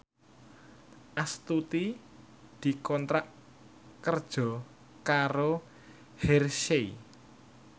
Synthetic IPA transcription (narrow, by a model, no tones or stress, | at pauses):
ʔast̪ut̪i | d̪̥i̤kɔnt̪ɾaʔ | kərd̥ʒ̥ɔ̤ | kaɾo | hɛrʃei